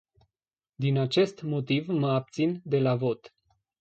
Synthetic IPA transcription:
d̪inat͡ʃe̞st̪mo̞t̪ivməab̚t̪sind̪e̞lavo̞t̪

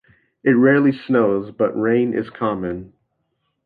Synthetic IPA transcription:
ɨt̚ɹɛɹlˠisnoʊzbʌʔɹẽɪ̃nʔɪ̰z̥kʰɑmɨ̃n

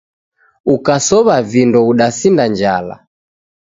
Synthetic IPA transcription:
ukasɔβavindɔuɗasindaɲd͡ʒala̰

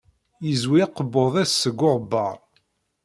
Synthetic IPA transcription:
jəzwiɑqəbːoðˤæsːəɡːʊɾˤbːɑ̰ʁˤ

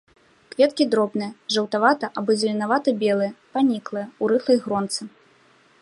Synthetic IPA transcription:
kvʲɛt̪kʲid̪ɾɔbnɨjɐʐɐwt̪avat̪ɐʔabɔzʲɐlʲinavat̪ɐbʲɛlˠɨjɐpanʲiklˠɨjɐuɾɨfɐjɣɾɔnt̪sɨ

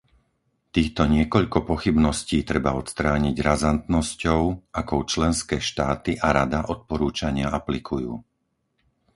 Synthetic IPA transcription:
t̪iːxt̪ɔɲɪɛkɔʎkɔpɔxibnɔsciːt̪ɾɛbaɔt̪st̪ɾaːɲiɟɾazant̪nɔscɔʊʔakɔʊt͡ʃlɛnskɛːʃt̪aːt̪iʔaɾad̪aʔɔt̪̚pɔɾuːt͡ʃaɲɪaaplikʰujṵː

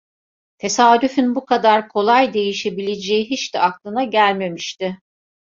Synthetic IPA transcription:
t̪ʰe̞saːd̪yfynbukʰad̪aɾkʰo̞lˠajd̪e̞jiʃe̞bilʲed͡ʒejiɦit͡ʃd̪ɛaklˠɯnaɟælʲme̞miʃt̪ɪ

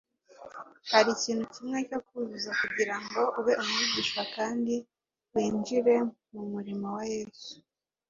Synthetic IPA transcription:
haɾiciːn̥hucimŋe̞co̞kuzuzakuɟiɾaŋɡo̞ʔuweʔumuɟiːʃwakaːndi | wiːnd͡ʒiɾe̞mumuɾimowajeːsu̥

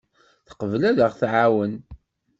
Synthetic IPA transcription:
θə̥qəvlæðəʁθʕawən

